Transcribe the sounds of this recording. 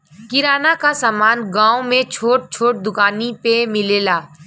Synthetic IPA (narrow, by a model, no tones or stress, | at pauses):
kɪɾaːnakasaːmaːnɡãːõmẽt͡ʃʰoːʈ̚t͡ʃʰoːʈ̚d̪ʊkaːnipemɪleːlaː